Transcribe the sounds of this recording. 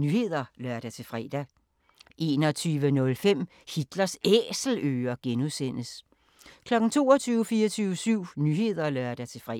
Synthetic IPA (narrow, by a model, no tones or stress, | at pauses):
nyhe̝ð̞̰ˠɐlɶɐd̥æt͡sʰe̝fʁɛ̰d̥æ | ʔe̝̰ːnɒ̽t͡sʰyːʋənɔ̽lfem̰ | hid̥lɐseːsl̩øːɐɡ̥enuðˠsen̰əs | kʰlɒ̽ɡ̥n̩t͡sʰo̝ːɒt͡sʰyːʊəfiːɐt͡sʰyʊəsyʊ̰nyhe̝ð̰ˠɐlœɐd̥æt͡sʰe̝fʁɛ